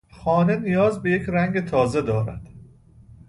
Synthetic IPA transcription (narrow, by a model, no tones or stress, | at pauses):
xɒːne̞nijɒːzbe̞jecʰɾæŋɡet̪ʰɒːze̞d̪ɒːɾæ̰d̪̥